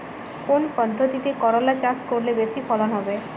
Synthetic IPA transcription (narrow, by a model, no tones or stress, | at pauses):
konpɔd̪ʱːot̪it̪ekɔɾɔlat͡ʃaskoɾlebesipʰɔlɔnɦɔbe